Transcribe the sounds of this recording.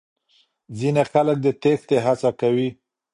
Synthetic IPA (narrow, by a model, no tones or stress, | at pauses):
zinexalək̚d̪ət̪ext̪eɦat͡sakawi